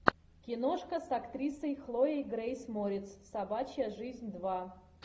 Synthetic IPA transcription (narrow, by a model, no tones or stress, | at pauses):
kʲɪnoʂkəsɐkt̪ɾʲisəjxlˠoejɡɾejsmoɾʲɪt̪ssɐbat͡ɕɪjəʐɨzʲnʲd̪va